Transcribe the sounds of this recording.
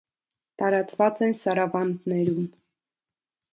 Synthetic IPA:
t̪ɑɾɑt͡svɑt͡sɛnsɑɾɑvɑnd̪nɛɾum

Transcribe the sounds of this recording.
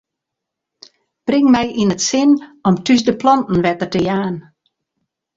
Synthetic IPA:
b̥rɪŋmɛjʔinətsɪnɔmtysdəplɔntn̩ʋɛtərtəjaːn

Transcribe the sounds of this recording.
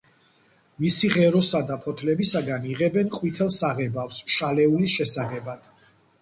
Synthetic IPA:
misiʁɛɾɔsad̪apʰɔt̪ʰlɛbisaɡaniʁɛbɛnqʼwit̪ʰɛlˠsaʁɛbafsʃalɛulisʃɛsaʁɛbad̪̥

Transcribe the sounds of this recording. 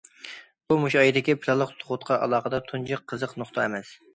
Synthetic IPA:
bumuʃɑjid̪ɪkʲipʰɪlɑlˠəqt̪ʰoʁʊt̪qʰɑʔɑ̰lˠɑːχəd̪ɑt̪ʰund͡ʒɨqʰːəzəqnoχt̪ʰɑɛmɛs

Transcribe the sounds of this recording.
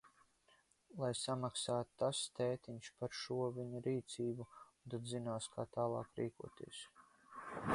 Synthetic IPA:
lˠajsamaksaːt̪t̪ast̪ɛːt̪iɲʲʃpaɾʃuɔviɲuɾiːt̪siːbut̪ad̪zinaːskʰaːt̪aːlˠɑ̰ːkɾiːkṵɔt̪ḭɛs

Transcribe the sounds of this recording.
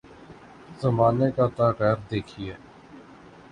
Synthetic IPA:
zəmaːnekat̪aːkɛːɾd̪eːkʰiɛː

